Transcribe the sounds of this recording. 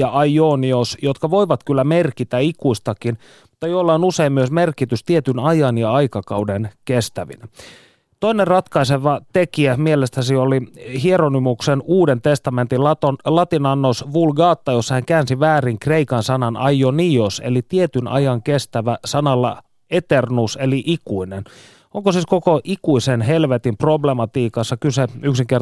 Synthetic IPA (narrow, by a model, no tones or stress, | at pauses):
ɑʔɑjoniosjot̪kɑʋo̞iʋɑt̪kylːæmerkit̪æikuist̪ɑkin | mu̥t̪ːɑjolːɑonuse̞immyøsme̞rkit̪yst̪iet̪ynɑjɑnjɑɑjkɑkɑwdenkest̪æʋḭnæ | t̪oinerrɑt̪kɑiseʋɑt̪ekiæmielest̪æsioliɦieɾonimuksenuːdent̪e̞st̪ɑme̞nt̪ilɑt̪olɑt̪inɑnːosʋulɡɑːt̪ːɑjosːɑhæŋkæːnsiʋæːriŋkre̞ikɑnsɑnɑnɑjoniosḛlit̪iet̪ynɑ̰jɑŋkest̪æʋæsɑnɑlːɑ̰ | et̪ernuseliʔikuinen | oŋkosiːskokoʔikuisenɦelʋet̪impro̞blemɑt̪iːkɑsːɑkyseyksiŋker